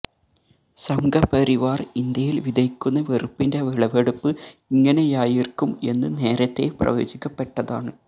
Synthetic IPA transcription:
sɐŋɡɐpɐɾiʋaːrind̪jɐjilʋid̪ɐjkʲːunːɐʋerɨpːinde̞ʋiɭɐʋeɽupːɨiŋːɐne̞jaːjirkːume̞nːɨne̞ːɾɐt̪ːe̞prɐ̰jo̞̰ːd͡ʑikʲːɐpːe̞ʈːɐða̰ːɳɨ

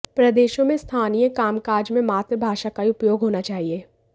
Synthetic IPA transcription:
pɾɐd̪eːʃõmẽst̪ʰaːnijəkaːmkaːɾd͡ʒmẽmaːt̪ɾbʱaːʃakaiʊpjoːɡɦoːnat͡ʃaːɦieː

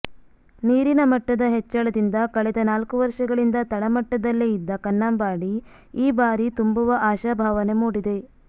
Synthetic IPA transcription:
niːɾinɐmɐʈːɐd̪ɐɦet͡ʃːɐɭɐd̪ind̪ɐkɐɭɛd̪ɐnaːlkuʋɐɾʂɐɡɐɭind̪ɐt̪ɐɭɐmɐʈːɐd̪ɐlːeid̪ːɐkɐnːaːmbaːɽi | iːbaːɾit̪umbuʋɐʔaːʃabʱaːʋɐne̞muːɽid̪e̞

